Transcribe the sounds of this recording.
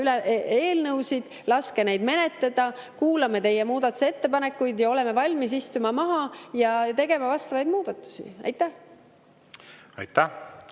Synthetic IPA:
ylee̞ːlnɤwsid̪̥ | lɑske̞nejd̪me̞ne̞t̪ːˑed̪̥ɑkuːlɑmet̪e̞jːe̞muːd̪̥ɑt̪ːˑu̥set̪ːe̞pɑne̞kːˑujd̪jɑo̞lɛme̞vɑlʲmis̬ist̪umɑmɑɦɑjɑt̪e̞ɡ̥e̞mɑvɑst̪ɑvɑjd̪muːd̪ɑt̪ˑːu̥sḭɑ̰jt̪ˑːæh | ɑ̰jt̪ːæ

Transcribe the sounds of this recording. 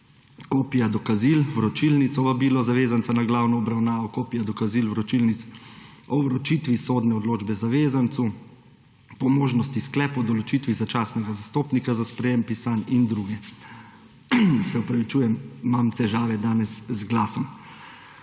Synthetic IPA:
koːpijad̪ɔkazilwɾɔt͡ʃilnit̪sɔʋabiːlɔzaʋeːzansanaɡlaːwnɔːbɾawnaːʋɔkoːpijad̪ɔkazilwɾɔt͡ʃilnit̪s | ɔwɾɔt͡ʃiːt̪ʋisoːd̪nɛɔd̪loːd͡ʒbɛzaʋeːzant̪su | pɔmoːʒnɔst̪isklɛːpɔd̪ɔlɔt͡ʃit̪ʋizat͡ʃaːsnɛɡazast̪oːpnikazaspɾɛjempisanind̪ɾuɡɛ | sɛɔpɾaʋit͡ʃuːjɛmmamt̪ɛʒaːʋɛd̪aːnɛszɡlaːsɔm

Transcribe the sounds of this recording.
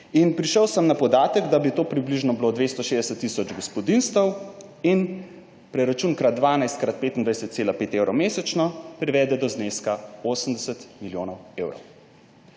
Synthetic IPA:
inpɾiʃəwsəmnapɔd̪aːt̪əɡd̪abit̪oːpɾibliʒnɔbilod̪ʋeːst̪ɔʃeːd̪ɛsət̪ːisɔd͡ʒɡɔspɔd̪inst̪əw | in | pɾɛɾat͡ʃuːnkɾad̪̚d̪ʋaːnajst̪kɾat̪̚peːt̪ind̪ʋajsɛt̪t̪seːlapeːt̪ewɾɔmeːsɛt͡ʃnɔpɾiʋɛːd̪ɛd̪ɔzneːskaoːsəmd̪ɛsət̪miljoːnɔwewɾɔ̰w

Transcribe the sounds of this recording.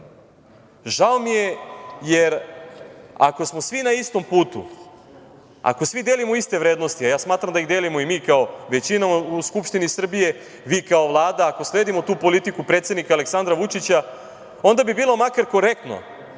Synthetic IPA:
ʒao̞mije̞jeɾ | a̰ko̞smosʋinaist̪o̞mpuːt̪ṵ | a̰ko̞sʋid̪jeːlimoist̪e̞ʋɾe̞ːd̪nost̪iajaːsmaːt̪ɾamd̪aiɣd̪eːlimoimiːkao̞ʋe̞t͡ɕinauuskupʃt̪inisr̩bije̞ | ʋiːkao̞ʋlˠaːd̪aːko̞sleːd̪imot̪uːpo̞lit̪ikupɾe̞t̪sjed̪nikaːle̞ksand̪ɾaʋut͡ʃit͡ɕa | o̞nd̪abibiːlˠomakaɾko̞ɾe̞k̚t̪no̞̰

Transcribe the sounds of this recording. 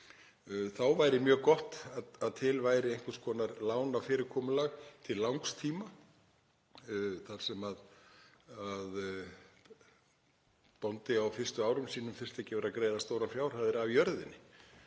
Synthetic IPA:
θawvajɾɪmjœːɣkɔht̪aðaðt̪ʰɪlvajɾɪejŋ̥kʏ̥skʰvɔːnaɾlaːwnawfɪːɾɪɾkʰɔːmʏlaɣt̪ʰɪllːawŋkst̪ʰiːma | θaɾ̥sɛmað | að | pɔnt̪ɪawfɪr̥st̪ʏaːwɾʏmsiːnʏmfɪr̥st̪ɛhcɪvɛːɾakɾeːjðast̪owɾafjaːwɾ̥haðɪɾavjœɾðɪnːɪ

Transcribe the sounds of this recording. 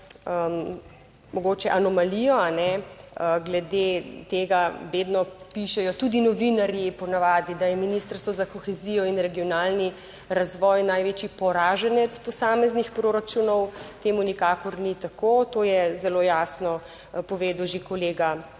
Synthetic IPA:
əm | mɔɡot͡ʃɛʔanɔmalijɔanɛəɡlɛd̪et̪eːɡaʋeːd̪nɔpiʃɛjɔt̪ud̪inɔʋinaɾjipɔnaʋaːd̪id̪ajɛminist̪ɾst̪ʋɔzakɔxɛziːjɔinɾɛɡijɔnaːlni | ɾazʋɔjnajʋeːt͡ʃipɔɾaːʒɛnɛt̪spɔsaːmɛznixpɾoːɾat͡ʃunɔwt̪eːmunikaːkɔɾnit̪akoːt̪oːjɛzɛloːjaːsnɔ | pɔʋeːd̪uwʒekɔleːɡa

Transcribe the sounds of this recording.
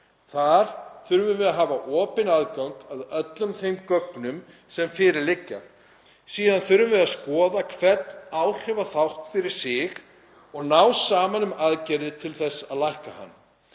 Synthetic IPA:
θaɾ̥θʏɾvʏvɪðaðɦaːvaʔɔːpɪnaðkawŋkaðœt̪lʏmθejmkœknʏm | sɛmfɪːɾɪɾlɪcːa̰ | siːðanθʏɾvʏvɪðaðskɔːðakʰvɛt̪naːwr̥ɛvaθawht̪fɪɾɪɾ̥sɪɣ | ɔɣnawsaːmanʏmaðcɛɾðɪt̪ʰɪlθɛsːaðlajhkaha̰nː

